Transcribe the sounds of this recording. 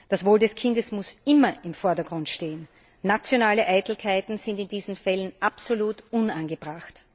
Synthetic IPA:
d̥asv̥oːldɛskʰɪ̃ndəsmʊsʔɪmɐʔɪmfɔɐdɐɡ̥ʁʊntʃteːənː | at͡sjonaːləʔæɪtl̩kʰaɪtn̩zɪ̃ndɪndiːzn̩fɛlənʔapsoluːtʔʊnanɡəb̥ʁaxt

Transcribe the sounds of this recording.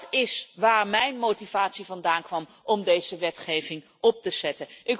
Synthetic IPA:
tɪsʋaːɹmɛjnmowtivaːtsivɑndaːnkʋɑm | ʔɔmdejz̥əʋɛtχejvɪŋ | ɔp̚təz̥ɛtənʔɪk

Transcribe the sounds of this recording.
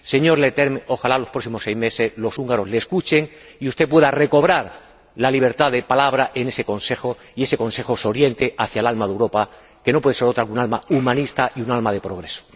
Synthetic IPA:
se̞ɲo̞ɾlet̪eɾmeo̞xalalo̞spɾo̞s̬imo̞sːejzme̞se̞zlo̞suŋɡaɾo̞zle̞ːskut͡ʃe̞ŋ | iust̪e̞p̬we̞ðare̞ko̞β̞ɾaɾ | laliβ̞e̞ɾt̪aðe̞palaβɾaʔe̞ne̞se̞ko̞nse̞xo | ie̞seko̞nse̞xoso̞ɾje̞nt̪e̞ʔaθjalalmaðewɾo̞pa | ke̞nopwe̞ðseɾot̪ɾakunalmaumãnist̪aʔiunalmaðe̞pɾoɣ̞ɾe̞so̥

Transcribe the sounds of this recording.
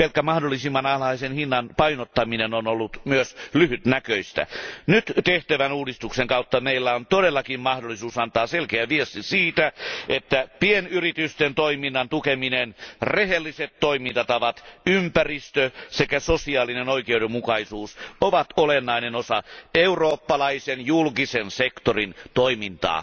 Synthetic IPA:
pelkːæmɑhdolːˑisimːɑnɑlɑisenhinːɑnpɑinot̪ːɑminenonolːut̪myøslyhyt̪nækøist̪æ̰nyt̪t̪eht̪æʋænuːdist̪ukseŋkɑut̪ːɑmeilːæont̪odelːɑkimmɑhdolːˑisuːsɑnt̪ɑːselkeæʋiest̪isiːt̪æʔet̪ːæpienyrit̪yst̪ent̪oiminːɑnt̪ukeminenrehelːiset̪toimint̪ɑt̪ɑʋɑt̪ympærist̪øsekæsosiɑːlːinenoikeuɾemukɑisuːsoʋɑt̪olenːɑinenosɑ̰euroːpːɑlɑisenjulkisensekt̪orint̪oimint̪ɑ̰ː

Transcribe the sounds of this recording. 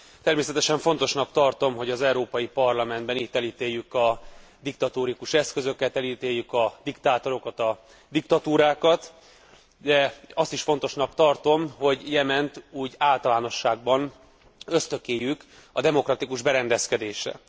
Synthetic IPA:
t̪ɛrmeːsɛt̪ɛʃɛɱfo̞nt̪o̞ʃnɒkt̪ɒrt̪o̞mɦo̞ɟɒzɛuɾoːpɒjipɒrlɒmɛnd̪bɛniːt̪ːɛliːt̪eːjːykɒd̪ik̚t̪ɒt̪oːɾikuʃɛskø̞zø̞kɛt̪ɛliːt̪eːjːykɒd̪ikt̪aːt̪o̞ɾo̞kɒt̪ɒ | d̪ik̚t̪ɒt̪uːɾaːkɒt̪ | d̪ɛɒst̪iʃfo̞nt̪o̞ʃnɒkt̪ɒrt̪o̞mɦo̞ɟjɛmɛnt̪uːɟaːlt̪ɒlaːno̞ʃːaːɡ̚bɒn | øst̪økeːjːykɒd̪ɛmo̞krɒt̪ikuʒbɛɾɛnd̪ɛskɛd̪eːʃrɛ̰

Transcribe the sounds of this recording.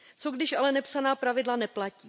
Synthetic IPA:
t͡so̞ɡdɪʃalɛnɛpsanaːpɾavɪdlanɛplaciː

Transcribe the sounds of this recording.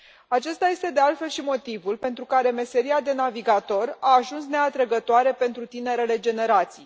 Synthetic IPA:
at͡ʃe̞st̪aje̞st̪e̞d̪e̞alt̪fe̞lʃimo̞t̪ivulpe̞nt̪ɾukaɾe̞me̞se̞ɾiad̪e̞naviɡat̪o̞raːʒunsne̞at̪ɾəɡət̪oaɾe̞pe̞nt̪ɾut̪ine̞ɾe̞le̞d͡ʒe̞ne̞ɾat̪sij

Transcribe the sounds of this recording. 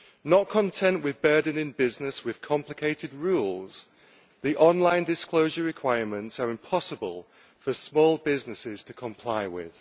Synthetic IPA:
nəʔ̚kʰə̃ntʰɛ̃nʔwɪðbɜːdⁿn̩ɪ̃nbɪznɪswɪð̥kʰɒ̃mplɪkʰeɪtɪd̚ɹuːlˠz̥ | ðiʔɒ̃nlãɪ̃ndɪskl̥oʊʒəɹɪkʰw̥aɪəmə̃ntsəɹɪ̃mpʰɒsəbə̰lˠ | fəsmɔːlˠbɪznɪsɪz̥tʰəkʰə̃mpʰl̥aɪwɪ̰ð̥

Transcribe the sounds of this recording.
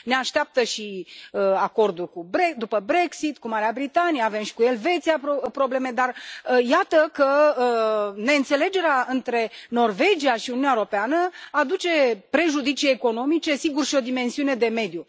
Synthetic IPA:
ne̞aʃt̪eap̚t̪əʃiəako̞rd̪ulkubɾed̪upəbɾe̞ksit̪kumaɾeabɾit̪anijeave̞mʃi̥kue̞lve̞t̪seapopɾo̞ble̞me̞d̪arjat̪əkəəne̞ɨnt̪se̞le̞d͡ʒe̞ɾeaɨnt̪ɾe̞no̞rve̞d͡ʒiaʃiununʲaeoɾo̞peanəad̪ut͡ʃe̞pɾe̞ʒud̪it͡ʃieːko̞no̞mit͡ʃe̞siɡurʃio̞d̪ime̞nsiune̞d̪e̞me̞d̪ju

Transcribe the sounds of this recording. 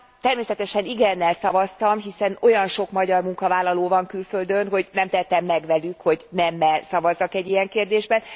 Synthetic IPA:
t̪ɛrmeːsɛt̪ɛʃɛniɡɛnːɛlsɒvɒst̪ɒmɦisɛno̞jɒnʃo̞kmɒɟɒrmuŋkɒvaːlːɒloːvɒŋkylføld̪ønɦo̞ɟnɛmt̪ɛt̪ːɛmːɛɡʋɛlykho̞ɟnɛmːɛlsɒvɒzːɒkɛɟːijɛŋkeːrd̪eːʒbɛn

